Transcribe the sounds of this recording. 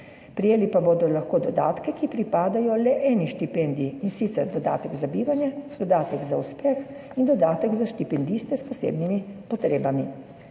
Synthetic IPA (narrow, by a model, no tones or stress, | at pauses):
pɾijeːlipabod̪ɔlaxkoːd̪ɔd̪a̰ːt̪kɛkipɾipaːd̪ajɔlɛʔɛːniʃt̪ipɛnd̪iiinsit̪sɛɾd̪ɔd̪a̰ːt̪ɛɡzabiːɾanjɛd̪̥ɔd̪aːt̪ɛɡzauspɛx | ind̪ɔd̪aːt̪ɛɡzaʃt̪ipɛnd̪iːst̪ɛspɔsḛːbnimipɔt̪ɾeːbami